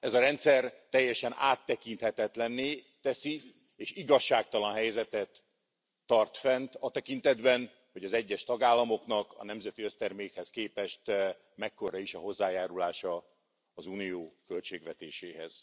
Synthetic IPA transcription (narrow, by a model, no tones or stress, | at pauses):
ɛzɒɾɛnt̪sɛrt̪ɛjːɛʃɛna̰ːt̪ːɛkint̪hɛt̪ɛt̪lɛnːeː | t̪ɛsi | eːʃiɡɒʃːaːk̚t̪ɒlɒnɦɛjzɛt̪ɛt̪ː | ɒrt̪fɛnt̪ɒt̪ɛkint̪ɛd̪bɛn | hoɟɒzɛɟːɛʃt̪ɒɡaːlːɒmo̞knɒkɒ̰nɛmzɛt̪iøst̪ɛrmeːkhɛskeːpɛʃt̪ | mɛkːo̞ɾɒiʃɒɦo̞zːaːjaːɾulaːʃɒ | ɒzuːnijoːkø̞lt͡ʃeːɡʋɛt̪eːʃeːɦɛ̰z̥